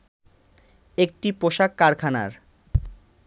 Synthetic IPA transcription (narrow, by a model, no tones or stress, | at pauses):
ek̚ʈipoʃakːaɾkʰana̰ɾ